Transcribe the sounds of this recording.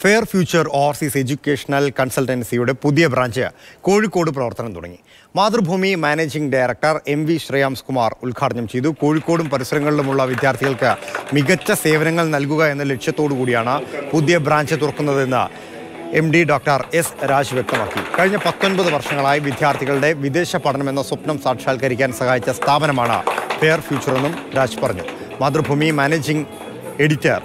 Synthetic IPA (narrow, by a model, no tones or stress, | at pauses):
fe̞ːrfjuːt͡ɕːɐroːrsise̞d͡ʑukʲːeːʂɐnɐlkɐnsɐlʈɐnsijuɽe̞puðijɐbɾaːɲd͡ʑɨko̞ːɻikːoːɽɨp̬rɐʋɐrt̪ɐnɐmt̪ṵɽɐ̰ŋːḭ | maːd̪rɨbʱuːmimaːneːd͡ʑiŋɡɖajɾɐk̚ʈɐre̞mʋiɕrijaːmskumaːrulkʰaːɽɐɲːɐmt͡ɕe̞jðuko̞ːɻikːo̞ːɽumpɐɾisɐɾɐŋːɐɭilumuɭːɐʋid̪ʱjaːrt̪ʰiɣɐɭkɨmiɣɐt͡ɕːɐse̞ːʋɐnɐŋːɐɭnɐlkuɣɐe̞nːɐle̞ʈʂjɐt̪ːo̞ːɽɨkuːɽijaːɳɨpud̪jɐbɾaːɲd͡ʑɨt̪urɐkːunːɐðe̞nːɨ̰ | emɖiɖoːk̚ʈɐre̞sɾaːd͡ʑʋjek̚t̪ɐmaːkːḭkɐɻiɲːɐpɐt̪ːonbɐðɨʋɐrʂɐŋːɐɭaːjiʋid̪ʱjaːrt̪ʰiɣɐɭuɽe̞ʋid̪e̞ːɕɐpɐɽɐnɐme̞nːɐswopnɐmsaːʈʂaːlkɐɾikʲːaːnsɐhaːjit͡ɕːɐst̪ʰaːbɐnɐmaːɳɨ̰fe̞jɐrfjuːt͡ɕːɐre̞nːumɾaːd͡ʑ̥pɐrɐɲːṵ | maːd̪rɐbʱuːmimaːneːd͡ʑiŋɡ | e̞ɽitːɐ̰r